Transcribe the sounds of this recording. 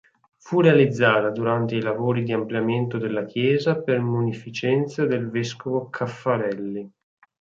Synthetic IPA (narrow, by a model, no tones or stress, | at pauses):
furealid̪zːaːt̪ad̪uɾant̪eilavoːɾid̪iampljament̪od̪elːak̟jɛːzapermunifit͡ʃɛnt̪sad̪elvɛskovokʰafːaɾɛlːi